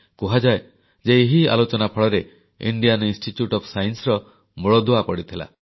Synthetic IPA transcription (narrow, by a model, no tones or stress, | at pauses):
kuɦad͡ʒae | d͡ʒeːɦia̰lot͡ʃɔnapʰɔɭɔɾe | ḭɳɖijaninsʈiʈjuʈɔpʰsajnsɔɾɔ | muɭɔd̪oapɔɽit̪ʰila̰